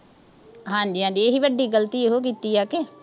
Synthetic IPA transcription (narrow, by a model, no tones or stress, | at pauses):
ɦãːd͡ʒiːɦãːd͡ʒiːeːɦiːʋəɖiːɡəlt̪iːeɦoːk̬iːt̪iːɛːkeː